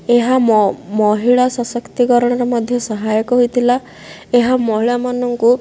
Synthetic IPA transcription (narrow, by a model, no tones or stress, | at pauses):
eɦamɔɦiɭasɔsɔkt̪ikɔɾɔɽ̃ɔɾɔmɔd̪ʱjɔsɔɦajɔkɔɦojt̪ʰila | eɦamɔɦiɭamanɔŋku